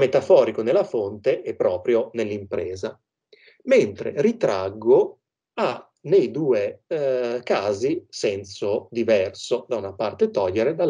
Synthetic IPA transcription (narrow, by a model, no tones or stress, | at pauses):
met̪afɔːɾikonelːafont̪eʔɛpːɾɔːpɾjonelːimpɾɛːza | ment̪ɾḛrit̪ɾaɡːo | a | nejd̪uːe | kaːzisɛnsod̪ivɛrsod̪aunapart̪et̪ɔʎːeɾed̪al